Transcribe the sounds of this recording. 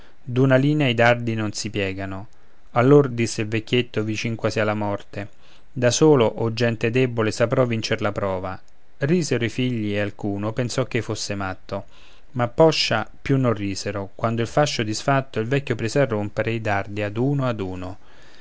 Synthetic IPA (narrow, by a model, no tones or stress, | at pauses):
d̪unaliːneaid̪ard̪inonsipjɛːɡano | alːord̪isːeilvekʲːjet̪ːovit͡ʃiŋkwasialːamɔrt̪e | d̪asoːloʔɔd͡ʒːɛnt̪ed̪ɛbolesapɾɔvːint͡ʃeɾlapɾɔːva | riːzeɾoifiʎːiealkuːnopensɔk̟ːefosːemat̪ːo | mapːɔʃːapjunːorːiːzeɾokwand̪oilfaʃːod̪isfat̪ːoilvɛkʲːopɾisɛrːompeɾeid̪ard̪iad̪uːnoad̪uːno